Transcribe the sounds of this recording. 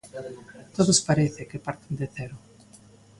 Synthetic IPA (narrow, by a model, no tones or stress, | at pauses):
t̪oðospaɾeθɪkɪpaɾt̪end̪eθɛɾʊ